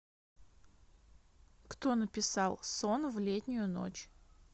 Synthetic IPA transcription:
kt̪onəpʲɪsɑlˠsonvlʲet̪ʲnʲʊjʊno̰t͡ɕ

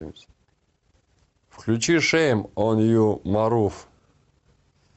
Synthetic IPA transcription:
fklʲut͡ɕiʂɛjmɔnjumaɾuf

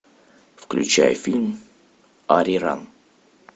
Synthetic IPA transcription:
fklʲʉ̰t͡ɕæ̰jəfʲilʲm | aɾʲiɾa̰n

